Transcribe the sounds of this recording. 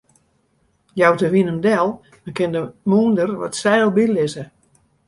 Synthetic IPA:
jawtəʋinəmdɛlˠ | məkɪndəmuəndərʋɔ̰tsɛːlˠbilɪzə

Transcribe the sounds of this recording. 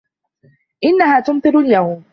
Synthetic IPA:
ʔɪnːahaːt̪ʊmt̪ˤɨɾljawm

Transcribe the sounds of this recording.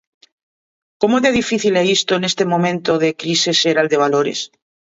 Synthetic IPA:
komoðeðifiθileist̪oenest̪emõmẽnt̪oðekɾiseseɾald̪e̞β̞aloɾḛs

